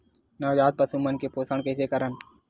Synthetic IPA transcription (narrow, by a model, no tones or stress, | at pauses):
nɐːd͡ʒaːd̪̚pɐsumənkepoːsəɳkɛsekɐɾən